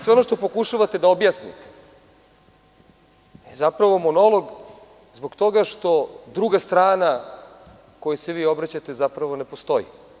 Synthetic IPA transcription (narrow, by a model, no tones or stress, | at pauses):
sʋeo̞noʂt̪opo̞kuʃaʋat̪e̞d̪aobjasnḭt̪e̥ | ezapɾaʋo̞mo̞no̞lo̞ɡ | zboɡt̪o̞ɡaʂt̪o̞d̪ɾuɡast̪ɾaːna | ko̞jaseʋiːo̞bɾat͡ɕat̪ezapɾaʋo̞ne̞post̪o̞jḭ